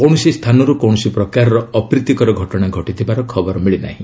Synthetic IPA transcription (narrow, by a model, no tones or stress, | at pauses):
kɔwñɔsist̪ʰanɔɾukɔw̃ɔsipɾɔkaɾɔɾɔɔpɾit̪ːikɔɾɔɡʱɔʈɔɽ̃aɡʱɔʈit̪ʰibaɾɔkʰɔbɔɾɔmiɭina̰ɦĩ